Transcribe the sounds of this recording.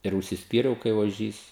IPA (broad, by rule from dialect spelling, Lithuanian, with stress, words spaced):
ɪr ʊʃʲsʲɪsʲˈpʲiːrʲɛʊ kɐɪ oːˈʒʲiːs